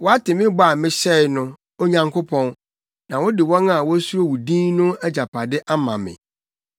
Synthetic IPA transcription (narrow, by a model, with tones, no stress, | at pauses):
wɔ˦a˦tɪ˨mɪ̃˦ba˦˨mɪ̃˦ɕɛ˦jnʊ̃˦ | o˦ɲã˨ŋkʰʊ˦pʰɔ̃˦n | nã˨wɔ˦dɪ˨wɔ̃˦na˨wɔ˦su˦ɾo˦wu˨dĩː˦nnʊ̃˦æ˦d͡ʑa˨pʰa˨dɪ˦ʔa˦mã̰˨mɪ̰̃˨